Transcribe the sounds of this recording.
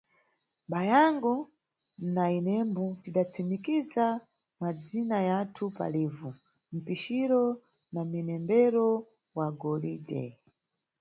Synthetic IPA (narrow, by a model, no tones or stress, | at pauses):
bajaŋɡɔ | nainɛmbutiɗat͡sʰimikiza | mad͡zinajatʰupa̰liːvu | m̩piʃiɾɔ | naminɛmbɛɾɔ | waɡɔlidɛ̰